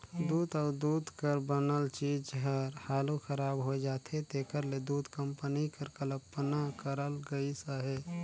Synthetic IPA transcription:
d̪uːd̪əːɾd̪uːd̪kəɾbənəlt͡ʃiːd͡ʒɦəɾhaːluxʰəɾaːbɦoed͡ʒaːt̪ʰet̪eːkəɾled̪uːd̪kəmpənikəɾkələpːənakəɾəlɡəisəɦe

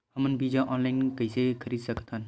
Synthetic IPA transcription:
həmənbid͡ʒãʔɔːnlaɪnkəisekʰəɾiːd̪səkət̪ʰɦan

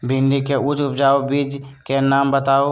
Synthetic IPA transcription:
bʱɪ̃nɖikeʊt͡ʃʊpd͡ʒaːobiːd͡ʒkenaːmbət̪aːo

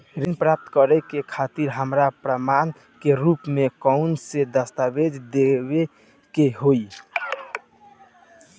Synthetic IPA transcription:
ɾinpɾap̚t̪kəɾɛkekʰat̪iɾɦəmɾapɾəman | keɾupmekəʊnsẽd̪əst̪abed͡ʒ̪ʱd̪ebe | keɦoi

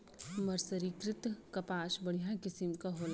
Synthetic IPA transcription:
mɐɾsəɾikɾɪt̪kɐpaːʃbɐɽ̤ijakɪsɪmkaɦoːl

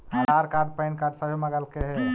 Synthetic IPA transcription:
həzaɾkaɾɖ̚pəjnkaɾɖsəbʱeməɡəlkeɦɛ

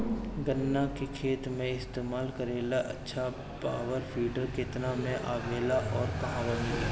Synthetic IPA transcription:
ɡənːakekʰeːt̪mẽɪst̪eːmaːlkəɾeːlaʔɐ̰tːʃʰa | paːʋəɾpʰiːɖəɾkɪt̪namẽʔa̰ːbeːlaʔɔːɾkɐɦãːʋamɪla

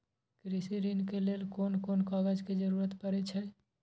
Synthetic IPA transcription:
kɾisiɾinkeleːlkoːnkoːnkɔːɡəd͡ʒked͡ʒəɾuːɾət̪pəɾɛt͡ʃʰɛ

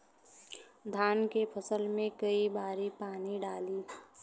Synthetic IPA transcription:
d̪ʱaːnkepʰəsəlmẽkəibaːɾipaːniɖaːliː

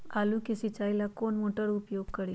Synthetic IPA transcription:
alukisit͡ɕajlakonmoʈəɽupjoɡkəɽi

